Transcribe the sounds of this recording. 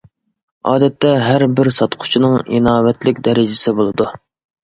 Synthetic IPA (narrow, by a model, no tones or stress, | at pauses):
ɑːd̪ɛt̪ʰːɛɦæɾbɪɾsɑt̪qʰʊ̥t͡ʃʰinɨŋinɑːwɛt̪lɪkʲd̪ɛɾɪd͡ʒɪsɪbolˠɨd̪u